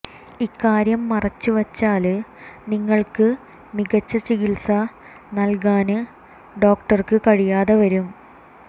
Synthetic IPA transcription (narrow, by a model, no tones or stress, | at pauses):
ikːaːɾjɐmːɐrɐt͡ɕːuʋɐt͡ɕːaːlniŋːɐɭkɨ | miɣɐt͡ɕːɐt͡ɕiɣilsɐ | nɐlk̬aːnɨ | ɖo̞ːk̚ʈɐrkɨkɐɻijaːðɐʋɐɾum